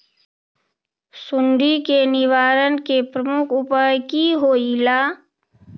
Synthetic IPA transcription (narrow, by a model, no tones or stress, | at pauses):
sʊnɖ̪ikenɪʋaːɾənkepɾəmʊkʰʊpajkiɦoːilaː